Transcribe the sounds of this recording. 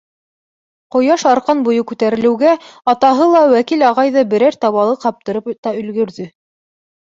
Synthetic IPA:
qŏjɑʃɑɾqɑnbujɤkʉt̪æɾɘ̆lɘ̆wɡæɑt̪ɑɦɤlˠɑwækilɑʁɑjðɤbɘ̆ɾæɾt̪ɑβɑlˠɤqɑp̚t̪ɤ̆ɾɤpt̪ɑɵ̆lɡɵ̆ɾðɵ

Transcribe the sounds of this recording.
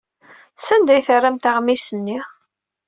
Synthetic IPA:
sænd̪æjθərːæmt̪aʁmisənːi

